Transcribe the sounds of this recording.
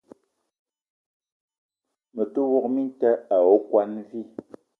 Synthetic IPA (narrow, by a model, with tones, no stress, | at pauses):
mə˨tu˦wɔ˦k̚mi˦n˦tɛ˦a˨o˦kwa˦nvi˦˨